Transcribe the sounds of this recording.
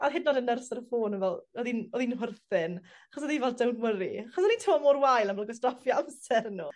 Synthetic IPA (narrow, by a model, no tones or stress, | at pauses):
aðɦɪdnɔdənːərsəɾəfoːnəvɛlˠɔðinɔðinɦʊrθɪn | aχɔs̬ɔðivɛlˠdawnwəɾiaχɔsɔnitʰɛmɔmoːrwajlˠəmblˠəɡɔs̬trɔfjɔamsɛrnu